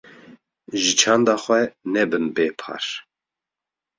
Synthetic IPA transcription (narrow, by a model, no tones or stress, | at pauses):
ʒit͡ʃʰand̪aχʷɛnɛbɨnbeːpʰa̰ɾ